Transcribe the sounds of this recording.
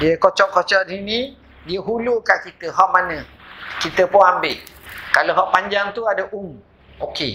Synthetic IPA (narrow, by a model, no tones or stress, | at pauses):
diəkot͡ʃɔʔkɔt͡ʃɔʔdinĩ | diəɦulukaʔkit̪əɦɔʔmanə̃ | kit̪əpʊnambɪʔkaloɦɔʔpaɲd͡ʒaŋt̪uadəʔum | oke